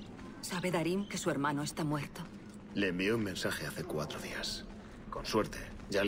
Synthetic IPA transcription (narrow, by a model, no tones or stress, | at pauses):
saβe̞ðaɾiŋke̞sue̞ɾmãnoest̪amwe̞ɾt̪o | leːmbiounmẽ̞nsaxeaθe̞kwat̪ɾoðias | ko̞nswe̞ɾt̪e̞ | ɟ͡ʝa